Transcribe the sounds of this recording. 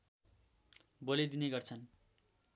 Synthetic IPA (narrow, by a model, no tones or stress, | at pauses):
boled̪ineɡʌrt͡sʰʌn